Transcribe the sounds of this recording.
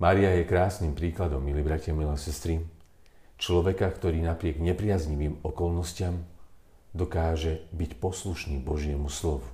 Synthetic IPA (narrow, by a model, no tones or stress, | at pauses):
maːɾiajɛkɾaːsniːmpɾiːklad̪ɔmːiliːbɾacɪamilasɛst̪ɾi | t͡ʃlɔʋɛkakt̪ɔɾiːnapɾɪɛɡɲɛpɾɪazɲiʋiːmɔkɔlnɔscɪam | d̪ɔkaːʒɛbicpɔsluʃniːbɔʒɪɛmuslɔʋu